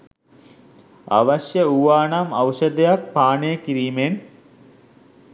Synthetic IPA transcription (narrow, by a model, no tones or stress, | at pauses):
a̰ʋaɕjəuʋaːnamawʃəd̪ejak̚paːnəjəkiɾiːmen